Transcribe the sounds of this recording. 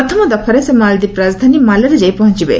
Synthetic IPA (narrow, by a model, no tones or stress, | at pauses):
ɐt̪ʰɐmɐd̪ɐpʰɐɾesemaːld̪ipɾaːzd̪ʱanimalɐɾɐd͡ʒɐjpɐɦɔɲt͡ʃibḛ